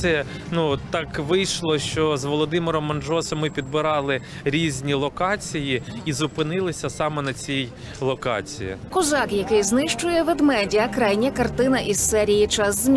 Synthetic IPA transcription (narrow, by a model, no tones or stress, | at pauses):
ɛ | nut̪ɑkʋɪjʃlˠɔʃt͡ʃɔzʋɔlˠɔd̪ɪmɪɾɔmːɐnd͡ʒɔsɔmːɪpʲid̪̚bɪɾɑlˠɪ | ɾʲizʲnʲilˠɔkɑt͡sʲijiizʊpɪnɪlˠɪsʲɐsɑmɛnɐt͡sʲij | lˠɔkɑ̰t͡sʲḭjḭkʊzɑkjɐkɪjznɪʃt͡ʃʊjɛʋed̪mɛdʲiɐkɾɑjnʲɐkɐrt̪ɪnɐʔiz̥sɛɾʲijit͡ʃɑszʲmʲ